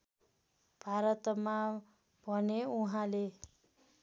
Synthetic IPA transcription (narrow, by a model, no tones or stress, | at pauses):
b̥ʱaɾʌt̪ma | bʱʌneuɦãle